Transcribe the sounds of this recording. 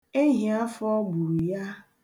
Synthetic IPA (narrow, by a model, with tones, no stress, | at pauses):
e˦ɦĩ˨a˦fɔ˦ɡ͡bu˨ɾja˦